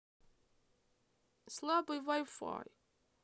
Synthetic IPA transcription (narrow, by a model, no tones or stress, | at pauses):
slˠabɨjvajfa̰j